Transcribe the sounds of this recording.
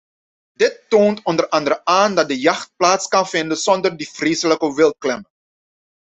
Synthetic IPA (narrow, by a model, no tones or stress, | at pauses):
dɪtːoːntɔndərʔɑndəɾəʔaːndɑt̚dəjɑχt̚plaːtskɑnfɪndənz̥ɔndərdifreːsələkəʋɪlˠt̚klɛmə